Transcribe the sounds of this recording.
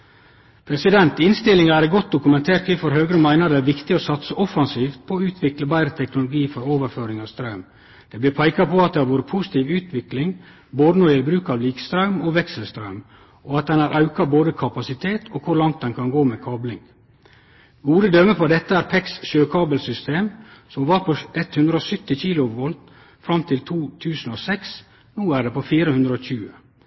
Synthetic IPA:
pʰɾɛsɪd̪ɛnt̪ɪnst̪ɪlɪŋɑæːɾɡɔt̪̚d̪ʊkʉmɛnt̪ʰeːɾt̪ʋɪfɔɾɦøːɡɾəmæɪnəɾd̪ɛæːɾʋɪkt̪ɪoːsɑt̪səʔɔfɑnsiːft̪̚pʰoːʉːt̪ʰʋɪkləbæɪɾət̪ʰɛknʊlʊɡiːfɔɾoːʋəɾføːɾɪŋɑʋst̪ɾɑʉm | d̪̥eːblɪɾpʰæɪkɑpʰoɑt̪̚d̪ɛːhɑɾʋoːɾəpʰusɪ̥t̪ʰiːʋʉːt̪ʰʋɪklɪŋ | boːd̪ənɔd̪ɪæbɾʉːkɑːʋliːkst̪ɾɑʉmoːʋɛksəl̩st̪ɾɑʉm | ʔɔɑt̪̚d̪ɛnɑːɾʔɑʉkɑboːd̪əkʰɑpɑsɪt̪ʰeːt̪ʰokʰʊɾlɑŋt̪̚d̪ɛnkʰɑnɡoːmeːkʰɑːblɪŋ | ɡuːd̪əd̪œmːəpʰɔd̪ɛt̪ːəæːɾpʰɛksʃøːkʰɑːbəlsʏst̪eːmsɔmʋɑɾpʰɔɛt̪hʉnd̪ɾəɔsʏt̪ːɪçiːlʊʋɔlt̪ | fɾɑmt̪ʰɪlt̪ʰuːt̪ʰʉːsən̩oːsɛks | nuːæɖeːpofiːɾəhʉnd̪ɾəoːçʉːə

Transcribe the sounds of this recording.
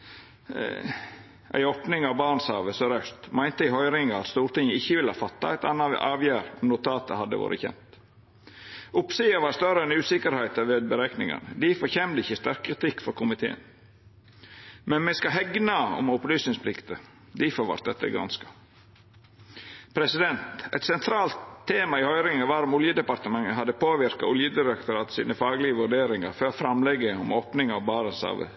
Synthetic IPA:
ʔæ̰ɪɔpnɪŋɑʋbɑːɾɳshɑːʋəsɔɾœst̪mæɪnt̪əɪhɔʏɾɪŋɑɑt̪st̪uːɾʈ̪ɪŋəɪçːəʋɪləhɑːfɑt̪ːɑæɪt̪ɑnːɑɑːʋjæːɾɔmnʊt̪ʰɑːt̪ə̰hɑd̪ːə̰ʋo̰ːɾə̰çɛ̰mt̪ | ʊpseːɑʋɑɾst̪œɾəɛnʉːsɪkəɾhæɪt̪ɑʋeːd̪̚bəɾeːknɪŋɑ̰nəd̪ɪfɔɾçɛmd̪əɪçːəst̪æɾkʰːɾɪt̪ɪkːfɔɾkʰʊmɪt̪ʰḛːə̰n | mɛnmɛskɑɦɛɡnɑɔ̰mʊplyːsnɪŋspʰlɪkt̪ə | d̪ɪfɔɾʋɑ̰ɾt̪̚d̪ɛt̪ːə̰ɡɾɑ̰nskɑ̥ | pʰɾɛsɪd̪ɛnt̪ɛɪt̪sɛnt̪ʰɾɑːlt̪ʰːeːmɑɪhœʏɾɪŋəʋɑɾɔmʊljəd̪ɛpɑɾt̪əmɑŋəɦɑd̪ːəpʰoːʋɪɾkɑʊljəd̪ɪɾɛkt̪ʊɾɑːt̪sḭːnəfɑːɡlɪəʋʉɖeːɾɪŋɑ̰ɾføːɾfɾɑmlɛɡːəɔmoːpnɪŋɑʋbɑːɾənsɑ̰ːʋə̰

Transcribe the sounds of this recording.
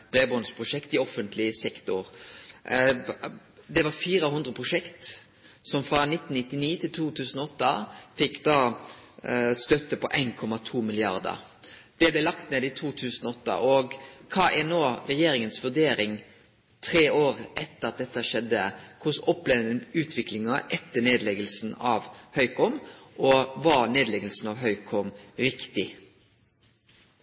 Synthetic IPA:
b̥ɾeːbɔnspʰʁʊʂɛkt̪ɪɔfənt̪ʰlɪəsɛkt̪ʊɾ | d̪ɛʋɑɾfiːɾəɦʉnd̪ɾəpʰɾʊʂɛkt̪ | sɔmfʁɑnɪt̪ːnnɪt̪ːɪniːt̪ʰɪlt̪ʰuːt̪ʰʉːsn̩ɔɔt̪ːɑfɪkːd̪ɑː | st̪œt̪ːəpɔʔæɪnkʰɔmɑt̪ʰuːmɪlɪɑ̰ʁd̪ə̰ɾ | d̪̥ɛblɛlɑkt̪neːd̪ɪt̪ʰuːt̪ʰʉːsən̩ɔɔt̪ːɑ̰ʔɔɡkʰɑːʔɛnoːɾɛjeːɾɪŋənsʋʉd̪eːɾɪŋ | t̪ʰɾeːoːɾʔɛt̪ːəɾɑt̪̚d̪ɛt̪ːəhæʂɛd̪ːəkʰʊsɔpleːʋənəʉːt̪ʰʋɪklɪŋɑʔɛt̪ːəneːd̪lɛɡəlsn̩ɑːʋhœʏkɔmʔɔʋɑɾneːd̪lɛɡəlsn̩ɑʋɦœʏkʰɔmɾɪkt̪ɪ

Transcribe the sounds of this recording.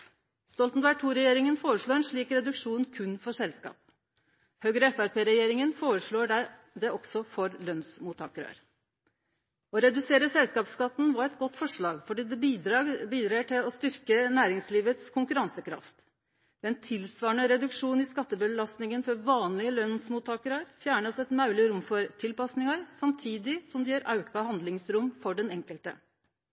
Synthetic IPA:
st̪ɔlt̪nʋæɪʈʰuːɾɛjeːɾɪŋənfoːɾəʂɭoːɾɛnʂɭiːkɾɛd̪ʉkʂuːnkʰʉnfɔʂɛlskɑ̰ːp̚ | hœɡɾəɛfæɾpeːɾɛjeːɾɪŋənfoːɾəʂɭoːɖæ | d̪ɛɔɡsɔfɔɾlœnsmuːt̪ʰɑ̰ːkəɾø̰ɾ | ɔɾɛd̪ʉseːɾəsɛlskɑːpskɑt̪ːnʋɑɾɛt̪ɡɔt̪ːfɔʂɭɑːɡfɔɖiːd̪ɛbiːd̪ɾɑːɡbiːd̪ɾɑːəʈʰɪlɔst̪ʏɾkənæːɾɪŋsliːʋət̪skʰʊŋkʉɾɑnsəkʰɾɑ̰ft̪ | ɛnt̪ʰɪlsʋɑːɳəɾɛd̪ʉkʂuːnɪskɑt̪ːəbəlɑst̪nɪŋənfɔɾʋɑːnlɪəlœnsmuːt̪ʰɑːkəɾɑɾfjæːɳəsɛt̪mɑʉlɪɾʊmfɔɾt̪ʰɪlpɑsnɪŋɑɾsɑmt̪ʰiːd̪ɪsɔmd̪ɛjøːɾʔɑ̰ʉkɑhɑnd̪lɪŋsɾʊmfɔɖɛnɛŋkəlt̪ə̰

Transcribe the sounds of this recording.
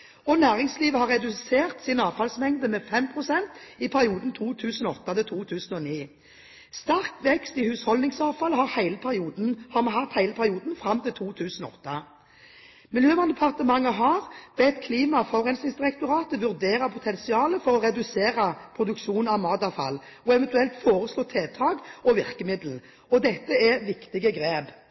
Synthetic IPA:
ɔnæːʁɪŋsliːʋəhɑʁːɛd̪ʉseːʁt̪sɪnɑːfɑlsmɛŋd̪əmɛfɛmpʰʁʊsɛnt̪ɪpʰæʁɪuːd̪n̩t̪ʰuːt̪ʰʉːsənɔɔt̪ːɑt̪ɪlt̪ʰuːt̪ʰʉːsn̩ɔniː | st̪æʁk̪ʋɛkst̪ɪhʉːshɔld̪ɪŋsɑːfɑlhɑʁhæɪləpʰæʁɪuːd̪n̩hɑʁmɛhɑt̪hæɪləpʰæʁɪuːd̪n̩fʁɑmːt̪ɪlt̪ʰuːt̪ʰʉːsn̩ɔɔ̰t̪ːɑ | mɪljøːʋɑnd̪ɛpʰɑʁt̪əmɑŋːəɦɑʁb̥ɛt̪kʰliːmɑfɔʁɛnsɪsd̪ɪʁɛkt̪ʊʁɑːt̪əʋʉʁd̪eːʁəpʰʊt̪ʰɛnsɪɑːləfɔʁɔʁɛd̪ʉseːʁəpʰɾʊd̪ʉkʃuːnɑʋmɑːd̪ɑfɑ̰lːɔɛʋɛnt̪ʉɛlt̪foːʁəsloːt̪ʰeːt̪ʰɑːɡɔʋɪʁkəmɪd̪l̩ | ɔd̪ɛt̪ːəɛʋɪkt̪ɪɡəɡɾeːb

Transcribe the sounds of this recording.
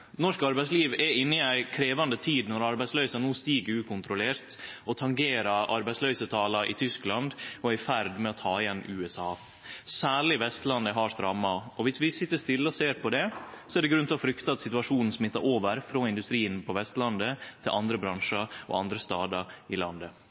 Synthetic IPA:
nɔʂkɑɾbæɪsliːʋɛɪnːəɪæɪkʰɾeːʋɑnd̪ət̪ʰiːd̪nɔɾɑɾbæɪtslœʏsɑnuːst̪iːɡəʉːkʊnt̪ɾʊleːɾt̪ɔt̪ʰɑŋɡeːɾɑʔɑ̰ɾbæɪtsløʏsət̪ʰɑːlɑʔɪ̰t̪ʰʏsklɑnd̪ɔæfæɾd̪mɛɔt̪ʰɑːɪɛnːʉːɛsɑː | sæːɭɪʋɛst̪lɑnd̪əɦɑɾst̪ɾɑːmɑɔʋɪsʋɪsɪt̪ːəʂt̪ɪlːəɔseːɾpɔd̪ɛsɔɛɖ̪ɛɡɾʉnt̪ɪʋɔfɾʏkt̪ɑɑt̪sɪt̪ʉɑʂuːnn̩smɪt̪ːɑɾʔoːʋəɾfɾoːɪnd̪ʉst̪ɾiːənpʰɔʋɛst̪lɑnd̪ət̪ʰɪlʔɑnd̪ɾəbɾɑnʂəɔ̰ɑ̰nd̪ɾəst̪ɑːd̪ɑɾɪlɑ̰nd̪ə

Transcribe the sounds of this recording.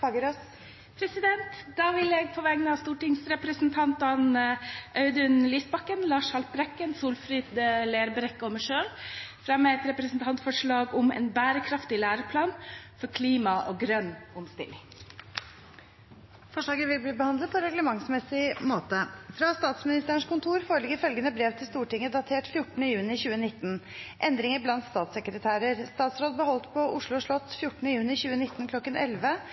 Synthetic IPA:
ɑɡəɾɔs | pʰɾɛsɪd̪ɛnt̪d̪ɑːʋɪljɛɡ̚pʰɔʋæːɡnəɑst̪uːʈɪŋsɾɛpɾəsnt̪ʰɑnt̪ɑnʔœʉd̪ʉnliːsbɑkːənlɑːʂhɑlpɾɛkːənsuːlfɾiːd̪leːɾbɾɛkːɔməʂøːɾfɾɑmːəɛt̪ɾɛpɾəsn̩t̪ʰɑnt̪fɔʂɭɑːɡʊmɛ̰nbæːɾəkʰɾɑft̪ɪlæːɾəpʰlɑːnfɔɾkʰliːmɑʔɔːɡɾœnːʊmst̪ɪ̰lːɪŋ | fɔʂɭɑːɡəʋɪlbliːbəhɑnd̪ləd̪̚pʰɔɾɛɡləmɑŋsmɛsɪmoːt̪əfɾɑst̪ɑːt̪smɪnɪst̪əɾəɳ̩ʂkʊnt̪ʰuːɾfoːɾəɭɪɡəɾfœlɡənəbɾɛʋt̪ʰɪlst̪uːʈɪŋːəd̪ɑt̪ʰeːʈfjʊʈːn̩əjʉːnɪçʉːənɪt̪ːn | ʔɛnd̪ɾɪŋəɾblɑnt̪st̪ɑːt̪sɛkɾət̪ʰæːɾəɾst̪ɑːt̪sɾoːd̪̚bəɦɔlt̪pʰɔʔʊʂɭʊʂɭɔt̪ːfjʊʈːnəjʉːnɪçʉːənɪt̪ːnkʰlɔkːənɛ̰lʋə

